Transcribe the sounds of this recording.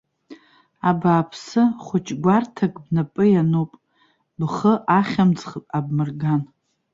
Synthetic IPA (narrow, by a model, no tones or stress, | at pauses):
abaːpʰsɨχʷʊt͡ʃʼɡʷartʰakʼbnapʼɨjanopʼ | bχəʔaχʲamt͡sχəpʼab̚mɨrɡan